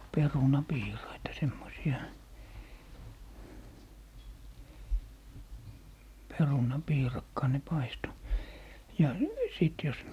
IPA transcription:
perunɑpiːrɑitɑ semːosiɑ perunɑpiːrɑkːɑː ne pɑisto jɑ siˑt jos

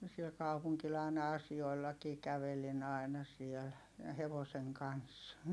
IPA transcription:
siel kɑupuŋkil ɑˑi̯nɑ ɑsioi̯lːɑkiː kæʋelin ɑi̯nɑ sieˑl jɑ heʋoseŋ kɑns

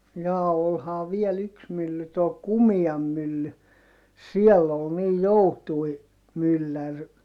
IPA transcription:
jɑː olhɑː ʋiel yks mylːy toː kumiɑm mylːy siɛlː ol niːj joutui mylːær

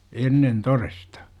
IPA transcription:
enːen torestɑ

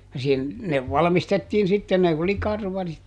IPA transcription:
jɑ sin ne ʋɑlɑ̆mistetːiːn sitːen ne oli kɑrʋɑrit

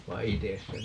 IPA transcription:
ʋɑi̯ ites se

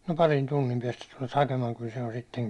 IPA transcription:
no pɑrin tunːim piɛstæ tulet hɑkemɑːŋ kyl se on sitːeŋ

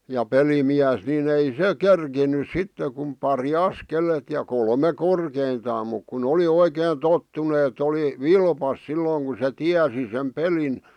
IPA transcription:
jɑ pelimiæs nin ei se kerkinys sitːe kum pɑri ɑskelet jɑ kolme korkeintɑːm muk kun oli oikeːn totːunĕ et oli ʋilpɑs silːoŋ ku se tiæsi sem pelin

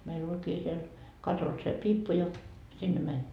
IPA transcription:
meilː olʲkiː siel kɑtos se piːpːu jɑ sinːe mænʲ

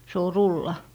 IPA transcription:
se o rulːɑ

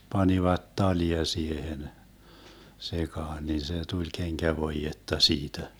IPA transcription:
pɑniʋɑt tɑliɑ siehen sekɑːn nin se tulʲ keŋkæʋoijetːɑ siːtæ

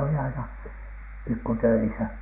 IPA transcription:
oli ɑinɑ pikːu tøisæ

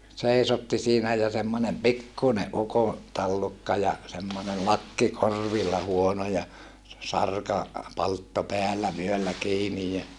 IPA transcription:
seisotːi siːnæ jɑ semːonʲem pikːune ʔuko tɑlːukːɑ jɑ semːone lɑkːi korˑʋilːɑ huono jɑ se sɑrkɑ pɑltːo peælːæ ʋyølːæ kiːnij jɑ

